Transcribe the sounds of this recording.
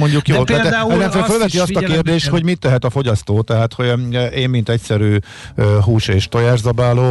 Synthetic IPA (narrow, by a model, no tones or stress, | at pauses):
moɲɟukjoːt̪at̪ɛɛzɛnsɛːɾfølvɛiɒst̪ɒkeːrd̪eːʃt̪ho̞ɟmit̪ːɛɦɛt̪ɒfo̞ɟɒst̪oːt̪ɛɦaːt̪ho̞ʔeːmmint̪ɛcsɛɾyː | øɦuːʃeːʃt̪o̞jaːʒzɒbaːloː